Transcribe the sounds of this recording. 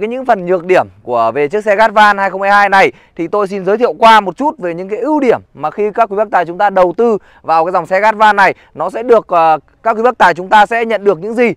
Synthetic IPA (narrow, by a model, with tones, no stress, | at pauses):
aː˨˦jɲɨ̰˧˥ŋfə˨˩nɲɨ˨˩ək̚ɗi˧˩əmku˧˩əve˨˩t͡ɕɨ˦˥ək̚sɛ˧ɣaː˦˥t̚vaː˧nhaː˧jxə˧wŋ͡mhaː˧jhaː˧jna˨˩j | t̪ʰi˨˩t̪o˧js̬i˧nzəː˨˦t̪ʰi˧˨ə˨wkwaː˧mo˨˩t̚t͡ɕu˦˥t̚ve˨˩ɲɨ̰˧˥ŋkaː˨˦jʔɨ˧wɗi˧˩əmːaː˨˩xi˧kaː˦˥k̚ːwi˨˦ə˦˥k̚t̪aː˨˩jt͡ɕʊ˨˦ŋ͡mt̪aː˧ɗə˨˩wt̪ɨ˧ | vaː˨˩wkːaː˨˦jza˨˩wŋ͡msɛ˧ɣaː˦˥t̚vaː˧nːa˨˩j | nɔ˨˦sɛ̰˧˥ɗɨ˨˩ək̚ː | kaː˦˥kwi˨˦ə˦˥t̪aː˨˩jt͡ɕʊ˨˦ŋ͡mt̪aː˧sɛ̰˧˥ɲə̰˧˨nɗɨ˨˩ək̚ɲɨ̰˧˥ŋzi˨˩